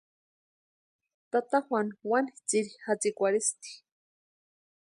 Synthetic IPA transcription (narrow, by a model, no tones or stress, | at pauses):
t̪at̪axwʷanwanit͡siɾixat͡sikʷaɾist̪i̥